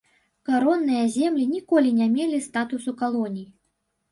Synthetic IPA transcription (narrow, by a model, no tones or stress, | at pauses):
kaɾɔnːɨjɐzʲɛmlʲinʲikɔlʲinʲamʲelʲist̪at̪usukalˠɔnʲij